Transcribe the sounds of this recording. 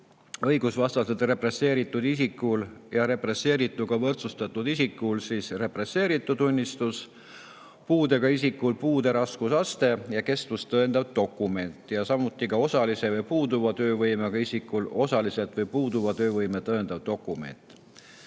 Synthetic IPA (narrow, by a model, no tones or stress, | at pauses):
ɤ̞jɡ̥usvɑst̪ɑsed̪re̞pre̞se̞ːɾit̪ːˑud̪̥isikːˑuljɑɾe̞pre̞sːe̞ːɾit̪ːˑuɡ̥ɑvɤrt̪sust̪ɑt̪ːˑud̪̥isikːˑulsiːsre̞pre̞se̞ːɾit̪ːˑuunʲːist̪us | puːd̪̥e̞ɡ̥ɑisikːˑulpuːd̪̥e̞ɾɑskusɑst̪e̞jɑke̞st̪vust̪ɤend̪̥ɑvt̪o̞kːˑume̞nʲt̪ːˑjɑsɑmut̪ːˑikɑo̞sɑlise̞vɤjpuːd̪uvɑt̪ø̞ːvɤjmeɡ̥ɑisikːˑulo̞sɑliset̪ˑvɤjpuːd̪uvɑt̪øːvɤjmet̪ɤend̪̥ɑvd̪o̞kːˑume̞̰nt̪ːˑ